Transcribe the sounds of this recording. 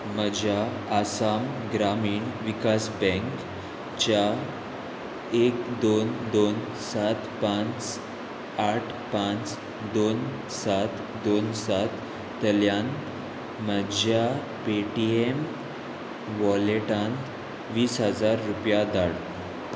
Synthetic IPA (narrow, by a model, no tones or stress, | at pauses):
məd͡ʑʱaː | samɡɾamiːɳʋikasbɛ̃ŋk | t͡ɕa | ekd̪ond̪on | sat̪pãt͡s | aʈʰpãt͡s | d̪on | sat̪ | d̪onsat̪ː | əljãnt̪ | məd͡ʑʱja | peʈiem | ʋɔleʈãnt̪ | ʋiːsɦəd͡zaɾːupjad̪aɽ